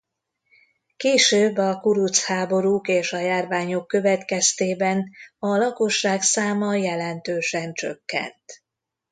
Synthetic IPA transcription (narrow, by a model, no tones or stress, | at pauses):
keːʃøːbːɒkuɾut̪shaːbo̞ɾuːkeːʃɒjaːrvaːɲo̞kːø̞vɛt̪kɛst̪eːbɛnɒlɒko̞ʃːaːksaːmɒjɛlɛnt̪øːʃɛnt͡ʃø̞̰kːɛ̰nt̪